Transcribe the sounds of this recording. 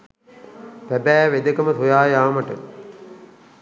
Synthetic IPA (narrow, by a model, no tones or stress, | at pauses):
pæbæːʋed̪əkəmət̪ʰujaːjaːməʈə